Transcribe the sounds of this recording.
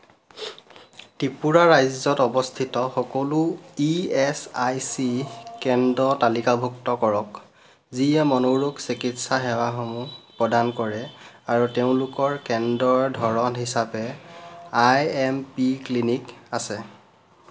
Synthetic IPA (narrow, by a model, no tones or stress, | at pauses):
tipuɹaɹajzɔtɔbɔst̪ʰitɔxɔkɔluiɛsajsikɛndɔtalikabʱuktɔkɔɹɔk | ziɛmɔnoɹuksikitsaɦɛwaxɔmupɹɔdankɔɹɛaɹuteʊ̃lʊkɔɹkɛndɔɹdʱɔɹɔnɦisapɛ | ajɛmpiklinikasɛ